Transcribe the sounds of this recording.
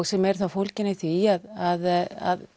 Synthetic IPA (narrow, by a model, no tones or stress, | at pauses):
ɣsɛmɛɾ̥θafowlcɪnɪθiaðaða̰ð